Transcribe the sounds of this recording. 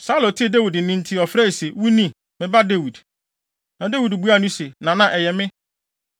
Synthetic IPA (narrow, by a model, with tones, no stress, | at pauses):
sa˦lɔ˨tʰi˦e˨de˦wi˨d̩˨˦nĩ˦n̩˦tʰɪ˦ɔ˨fɾɛ˦i˨se˨wu˦nĩ˦ | mɪ̃˨ba˦de˦wi˨d | nã˨de˦wi˨dbu˦a˦˨nũ˦se˨nã˨nã˨ʔɛ˨jɛ˨mɪ̃˦